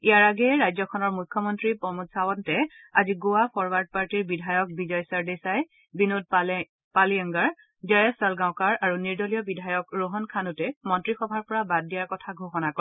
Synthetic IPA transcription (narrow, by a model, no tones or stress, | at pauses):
ijaɹaɡɛɹajzɔkʰɔnɔɹmujkʰːjɔmɔntɹipɔmutsawɔntɛ | aziɡuwapʰɔɹbaɹd̚paɹtiɹbidʱajɔk̚bizɔjsaɹdesaj | binud̚ | paliaŋɡaɹ | zajɔsalɡãʊ̃kaɹaɹuniɹdɔlijɔbidʱajɔkɹoɦɔnkʰanutɛmɔntɹixɔbʱaɹpɔɹabad̚ːijaɹkɔtʰaɡʱoxɔnakɔ